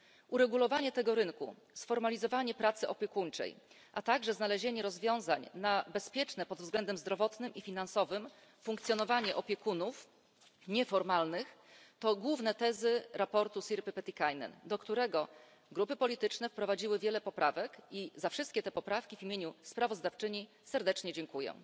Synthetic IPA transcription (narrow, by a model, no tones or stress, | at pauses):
ʔuɾɛɡulɔvaɲɛt̪ɛɡɔɾɘŋkṵ | sfɔɾmalʲizɔvaɲɛpɾat̪sɘʔɔpʲjekuɲt͡ʂɛ̰j | ʔat̪aɡʐɛznalɛʑeɲɛɾɔzvʲjɔ̃w̃zaɲnabɛspʲjɛt͡ʂnɛpɔd̪vzɡlɛnd̪ɛmzd̪ɾɔvɔt̪nɘmifʲinansɔvɘm | fuŋkt̪sjɔnɔvaɲɛʔɔpʲjɛkunuf | ɲɛfɔɾmalnɘxt̪ɔɡwuvnɛt̪ɛzɘɾapɔɾt̪usʲiɾpɘpɛt̪ʲikajnɛ̰nd̪ɔkt̪uɾɛɡɔ | ɡɾupɘpɔlʲit̪ɘt͡ʂnɛfpɾɔvad͡ʑiwɘvʲjɛlɛpɔpɾʔavɛkizafʂɘst̪kʲɛt̪ɛpɔpɾafkʲivimʲjeɲuspɾavɔzd̪aft͡ʂɘɲi | sɛɾd̪ɛt͡ʂɲɛd͡ʑɛŋkujɛ̰̃